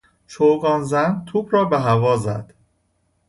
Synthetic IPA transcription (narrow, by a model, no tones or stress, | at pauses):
ʃʰoɡɒːnzænt̪ʰuːbɾɒːbeɦævɒːzæ̰d̪̥